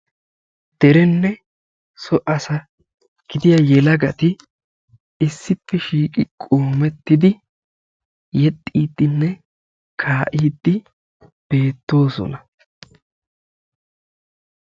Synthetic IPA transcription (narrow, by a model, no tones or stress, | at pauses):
d̪̥ɛɾɛnːɛ | sɔʔɐsɐ | ɡ̥ɪd̪ɪjɐjɛlɐɡɐt̪ɪ | ɪsːɪpːɛʃiːkʼɪkʼoːmɛt̪ːɪd̪ɪ | jɛt̪ʼːiːd̪ːɪnːɛ | kʰaːʔiːd̪ːɪ | b̥e̞ːt̪ːo̞ːsɔ̰nɐ